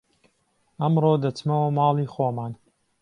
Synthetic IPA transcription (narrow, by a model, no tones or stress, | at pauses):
ɐmrod̪ɐt͡smɐwɐmɑːlˠiːxoːmaːn